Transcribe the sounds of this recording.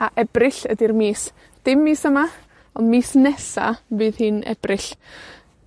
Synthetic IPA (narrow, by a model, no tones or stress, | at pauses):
aʔɛbrɪɬədirmiːs | d̥ɪmːiːsəma | ɔnmiːsnɛsa̰vɨːðhɨːnɛ̰b̥rɪɬ